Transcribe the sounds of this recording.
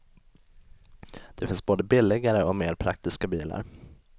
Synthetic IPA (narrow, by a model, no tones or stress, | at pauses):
d̪̥ɛfɪnsboːd̪əbɪlːɪɡaɾəɔmeːɾpʰɾak̚t̪ɪskabiːla̰ɾ